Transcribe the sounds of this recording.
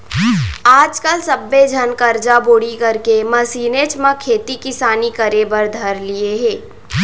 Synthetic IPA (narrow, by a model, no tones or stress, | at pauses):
aːd͡ʒkəlsɐbːed͡ʒʱɐnkɐɾd͡ʒaboːɽikɐɾkemɐsiːneːt͡ʃmãkʰeːt̪ikɪsaːnikɐɾebəɾd̪ʱɐɾlieɦẽː